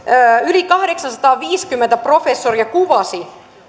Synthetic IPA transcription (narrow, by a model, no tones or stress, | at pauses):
ylikɑhɾeksɑnsɑt̪ɑːʋiːskymːent̪æprofesːoriɑkuʋɑsi